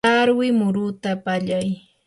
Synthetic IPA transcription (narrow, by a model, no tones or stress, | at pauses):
aɾwɪmʊɾʊt̪apaʎaj